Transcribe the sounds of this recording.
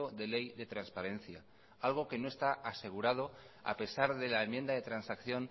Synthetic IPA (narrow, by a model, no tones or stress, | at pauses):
oðe̞le̞jðe̞t̪ɾanspaɾe̞n̟θja | alɣ̞o̞ke̞no̞e̞st̪aʔase̞ɣ̞uɾað̞o̞ | a̰pe̞saɾðe̞laemjend̪aðe̞t̪ɾansakθjo̞n